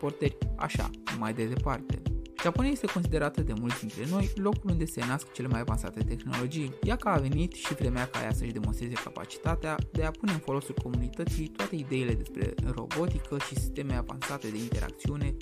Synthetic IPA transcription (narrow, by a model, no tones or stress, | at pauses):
po̞rt̪ərʲa̰ʃa̰majd̪e̞d̪e̞part̪e̞̰ʒaponiajest̪e̞ko̞nsid̪e̞ɾat̪əd̪e̞mult̪d̪int̪ɾe̞no̞jlo̞kulund̪e̞se̞naskə̥t͡ʃe̞le̞majavansa̰t̪e̞t̪e̞xno̞lo̞d͡ʒijjakəːve̞nit̪ʃivɾe̞meaka̰jasəʃd̪e̞mo̞nst̪ɾe̞zekapa̰t͡ʃi̥t̪at̪ead̪e̞apune̞ɨnfo̞lo̞sulko̞munit̪ət̪sit̪oat̪e̞id̪e̞ile̞d̪e̞spɾe̞̰ro̞̰bo̞t̪ikʰəʃisi̥st̪e̞meava̰nsat̪e̞d̪e̞int̪e̞ɾa̰kt̪siune̞